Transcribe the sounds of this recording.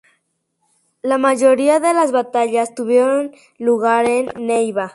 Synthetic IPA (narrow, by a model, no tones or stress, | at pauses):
lamaʝo̞ɾiaðelazβat̪aʎast̪uβjeɾon | luɣaɾenːejβa